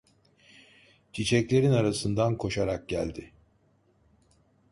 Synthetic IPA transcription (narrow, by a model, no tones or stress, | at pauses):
t͡ʃʰit͡ʃʰɛclʲe̞ɾinaɾasɯnd̪ankʰo̞ʃaɾak̚ɟæ̰lʲd̪ɪ